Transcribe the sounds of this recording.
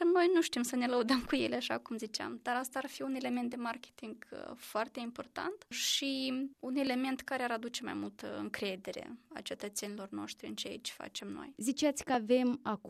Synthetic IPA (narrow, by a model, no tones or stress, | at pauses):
no̞jnuʃt̪imsəne̞ləud̪əmkujeleaʃa̰kumzit͡ʃea̰md̪aɾast̪aːrfiune̞le̞ment̪̚d̪e̞markʲe̥t̪iŋɡfoart̪e̞impo̞rt̪a̰nt̪ʃiune̞le̞me̞nt̪kaɾeaɾad̪ut͡ʃe̞ma̰jmult̪ə̰ɨ̰ŋkɾe̞d̪e̞ɾḛa̰t͡ʃe̞t̪ət̪se̞nilo̞rno̞̰ʃt̪ɾiɨ̰nt͡ʃeaḭt͡ʃʲfa̰t͡ʃe̞mno̞̰jzit͡ʃat̪sʲkəave̞mak